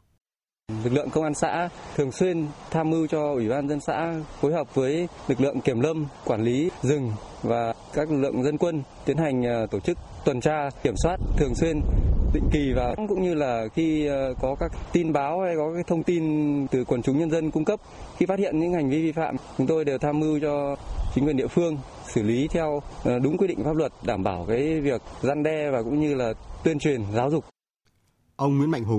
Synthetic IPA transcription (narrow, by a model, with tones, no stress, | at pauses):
lɨ˨˩k̚lɨ̰˧˨əŋkə˧wŋ͡mʔaː˧nsa̰ː˧˥t̪ʰɨ˨˩əŋswi˧ənt̪ʰaː˧mʔɨ˧t͡ɕɔ˧ʔwi˧˩ɓaː˧nzə˧nsa̰ː˧˥fo˨˦jɦa˨˩wp̚vəː˨˦jlɨ˨˩k̚lɨ̰˧˨əŋki˧˩əmlə˧mkwaː˧˩nli˨˦zɨ˨˩ŋ | vaː˨˩ | kaː˦˥k̚lɨ˨˩ɨ̰˧˨ə˨ŋzə˧nkwə˧nt̪i˨˦ənha˨˩jŋ̟ː˨˩t̪o˧˩t͡ɕɨ˦˥k̚t̪wə˨˩nt͡ɕaː˧i˧˩əmswaː˦˥t̚t̪ʰɨ˨˩əŋswi˧ənɗḭ̈˧˨ŋ̟ki˨˩vaː˨˩˦ŋkʊ̰˧˥ŋ͡mɲɨ˧laː˨˩xi˧kɔ˨˦kaː˦˥kt̪i˧nɓaː˨˦wha˧jkɔ˨˦kaː˨˦˥jt̪ʰə˧wŋ͡mt̪i˧nt̪ɨ˨˩kwə˨˩nt͡ɕʊ˨˦ŋ͡mɲə˧nzə˧nkʊ˧ŋ͡mkə˦˥p̚ | xi˧fa˦˥t̚hḭ˧˨ənɲɨ̰˧˥ŋha˨˩jŋ̟vi˧vi˧fa̰ː˧˨mt͡ɕʊ˨˦ŋ͡mt̪o˧jɗe˨˩wt̪ʰaː˧mʔɨ˧wt͡ɕɔ˧t͡ɕï˨˦ŋkwnɗḭ˧əfɨ˧əŋ | sɨ˧˩li˨˦t̪ʰɛ˧wɗʊ˨˦ŋ͡mkwi˧ɗḭ˧˨ŋ̟fa˦˥p̚lə˨˩t̚ɗaː˧˩mɓaː˧˩wkaː˨˦jvi˨˩ək̚za˧nɗɛ˧vaː˨˩kʊ̰˧˥ŋ͡mɲɨ˧laː˨˩t̪wi˧ənt͡ɕwi˨˩ənzaː˨˦wzʊ˨˩k͡p̚ | ʔə˧wŋ͡mŋwi˨˧˦ənma̰˧˨jŋ̟ɦo˨˩